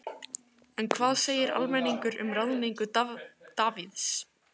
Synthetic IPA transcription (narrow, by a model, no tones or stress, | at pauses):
ɛnkʰvaːðseːjɪɾa̰lmɛnːiŋkʏɾʏ̰mraðnijŋkʏt̪aːviðs